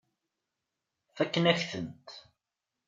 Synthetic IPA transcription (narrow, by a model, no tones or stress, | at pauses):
θækːənæçθə̰nt̪